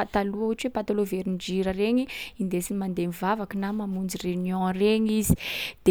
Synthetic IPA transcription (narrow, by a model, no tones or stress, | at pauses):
at̪aluaɦuʈ͡ʂuwepat̪aloveɾind͡ʒiɾəreɲiind̪esinimand̪emivavakinamamund͡zirenjɔ̃reɲizi̥d̪̥e